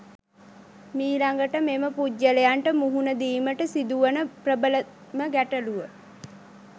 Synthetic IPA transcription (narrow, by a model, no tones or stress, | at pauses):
miːlaŋɡəʈəmeməpuɟːəlejaɳʈəmuɦunəd̪iːməʈəsid̪uʋənəprəbələ | məɡæʈəluʋə